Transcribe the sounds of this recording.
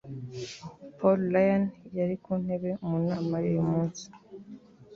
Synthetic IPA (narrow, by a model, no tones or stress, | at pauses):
pʰollajanjaɾikun̥he̞βe̞munaːmajojumuːnsi̥